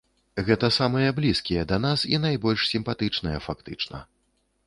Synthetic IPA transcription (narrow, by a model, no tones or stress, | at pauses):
ɣɛt̪ɐsamɨjɐblʲiskʲijɛd̪ɐnasḭnajbɔlʲʂsʲimpat̪ɨt͡ʂnɐjɛfakt̪ɨt͡ʂnɐ̰